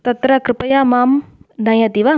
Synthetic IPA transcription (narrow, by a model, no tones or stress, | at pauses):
t̪ɐt̪ɾɐkɾɪpɐjaːmaːmd̪ʱɐjɐt̪iʋa